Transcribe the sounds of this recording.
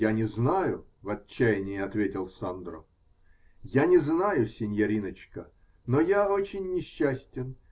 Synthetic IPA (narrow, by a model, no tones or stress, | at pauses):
anʲɪznajʊvɐt͡ɕːæjɪnʲɪjːɐt̪vʲetʲɪlˠsand̪ɾʊ̰ | janʲɪznajʊsʲɪnʲjɐɾʲinət͡ɕkə | nojaot͡ɕɪnʲːɪɕːæsʲtʲɪn